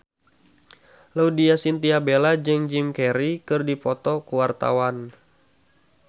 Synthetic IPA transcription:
laudiasint̪iabelad͡ʒɨŋd͡ʒimkɛɾikɨrdipɔt̪ɔkuwart̪a̰wan

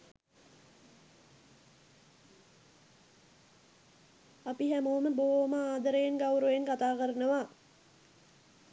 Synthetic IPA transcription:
apiɦæmuməboɦoməaːd̪əɾəjenɡawɾoeŋkat̪aːkəɾənəʋa

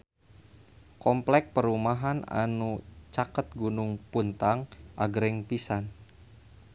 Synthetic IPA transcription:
kɔmplɛk̚pəɾumaɦana̰nut͡ʃakət̪̚ɡunuŋpunt̪aŋʔa̰ɡɾɪŋpisan

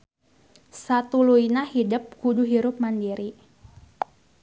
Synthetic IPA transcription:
sat̪uluinahidəp̚kuduɦiɾʊp̚mandiɾi

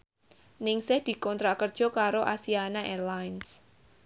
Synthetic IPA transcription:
nɪŋsɪhd̪̥i̤kɔnt̪ɾaʔkərd̥ʒ̥ɔ̤kaɾoʔasianaʔɛrlajns

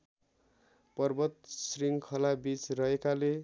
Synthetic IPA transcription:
pʌrbʌt̪̚sriŋɡkʰʌlabit͡srʌɦekale

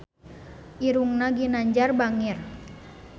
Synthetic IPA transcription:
ʔiɾuŋnaɡinaɲd͡ʒarbaŋir

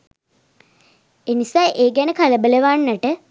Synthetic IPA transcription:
enisaːʔeːɡænəkaləbələʋanːəʈə

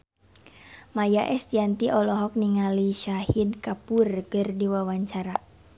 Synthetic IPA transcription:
majaʔɛst̪iant̪iʔɔlɔɦɔk̚niŋaliʃahidkapurɡərdiwawaɲt͡ʃaɾa

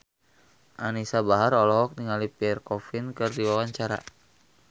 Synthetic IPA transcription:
ʔanisabaɦarɔlɔɦɔk̚niŋalipiɛrkɔfinkɨrdiwawaɲt͡ʃaɾa̰

